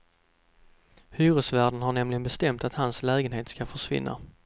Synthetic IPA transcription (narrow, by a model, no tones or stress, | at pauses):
hyːɾɵsvæːɖənhɦaɳɛmlɪɡənbɛst̪ɛmt̪at̪hanslɛːɡənheːt̪skafœʂvɪ̰nːa̰